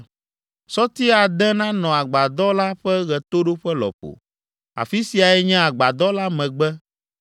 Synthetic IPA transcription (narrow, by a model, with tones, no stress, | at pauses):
sɔ˦t̪i˦a˨d̪ɛ̃˦nã˦nɔ̃˨a˨ɡ͡ba˨d̪ɔ˦la˦ɸɛ˦ɣɛ˨t̪o˦ɖo˦ɸɛ˦lɔ̰˨ɸo̰˨ | a̰˨fi˦si˨a˨ɛ˦ɲɛ̃˦a˨ɡ͡ba˨d̪ɔ˦la˦mɛ̃˨ɡ͡bɛ˦